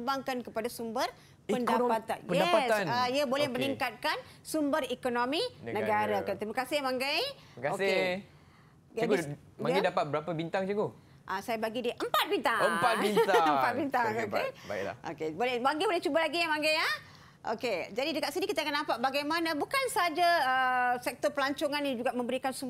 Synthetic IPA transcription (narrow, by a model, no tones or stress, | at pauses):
baŋkankəpadasumbər | pəndapat̪a̰npəjɛdaasaaiəbolɛhmə̃niŋkat̪̚kansumbərikonominənəɡaɾakənt̪ɾimakasɪhmaŋɡaj | kasɪ | d͡ʒa | maɡidapat̪̚bəɾapəbint̪aŋd͡ʒəɡo | ʔasajabaɡidiʔəmpat̪̚bint̪aŋəmŋpat̪̚bint̪əmpat̪̚bint̪aŋokeala̰ʔo̰kebolɛbaŋɡibolɛht͡ʃubalaɡijamaŋɡaja | ʔo̰ked͡ʒadidəkaʔsinikit̪əakanampaʔ̚baɡajmanabukansaɦad͡ʒaəsɛk̚t̪ɔpəlaɲt͡ʃoŋanːid͡ʒuɡaʔmə̃mbəɾikansum